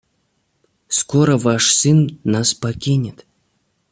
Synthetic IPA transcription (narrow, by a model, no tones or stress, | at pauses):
skoɾəvaʂsɨnːaspakʲinʲɪt̪